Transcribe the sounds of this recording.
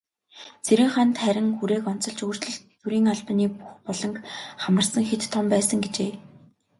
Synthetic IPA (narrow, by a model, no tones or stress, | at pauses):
t͡sʰeɾɘ̆ŋχant̪χæɾʲɪ̆ŋxuɾeːkɔn̥t͡sɞ̆ɮt͡ɕɵr̥t͡ɕɮɵ̆ɬt̪ː | uɾiːŋaɮp̆niːpuxpɔɮɞ̆ŋkχamə̆rsə̆ŋxet̪ʰːɔmpæːsə̆ŋɡet͡ɕeː